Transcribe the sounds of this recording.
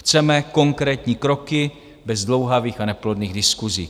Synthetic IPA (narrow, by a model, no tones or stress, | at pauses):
t͡sɛmɛko̞ŋkɾɛːt̪ɲiːkɾo̞kɪ | bɛzdlo̞wɦaviːxanɛplodniːɣdɪskuzḭː